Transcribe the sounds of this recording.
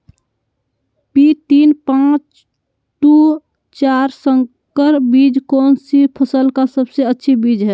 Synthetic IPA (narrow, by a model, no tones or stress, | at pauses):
pit̪iːnpãt͡ʃ | ʈu | t͡ʃaːɾsəŋ | kəɾbiːd͡ʒkɔːnsipʰəsəlkasəbseətːʃʰibiːd͡ʒɦɛː